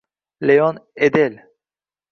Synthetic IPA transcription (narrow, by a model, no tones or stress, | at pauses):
lejɔned̪el